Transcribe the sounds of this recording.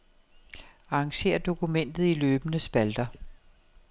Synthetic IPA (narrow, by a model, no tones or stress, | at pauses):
ɑ̈ːŋɕe̝̰ːɐd̥o̝kumen̰d̥ð̞̩ˠiløːb̥ənəsb̥æld̥ɐ